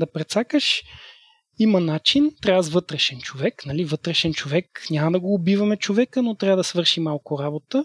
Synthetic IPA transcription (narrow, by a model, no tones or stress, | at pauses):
d̪ɐpɾɛt̪sakəʃ | imɐnat͡ʃint̪ɾʲavəzvɤt̪ɾɛʃɛnt͡ʃovɛknɐlivɤt̪ɾɛʃɛnt͡ʃovɛknʲamɐd̪ɐɡoːbivɐmɛt͡ʃovɛkənot̪ɾʲavəd̪ɐsvɤɾʃimalˠkʊɾabot̪ə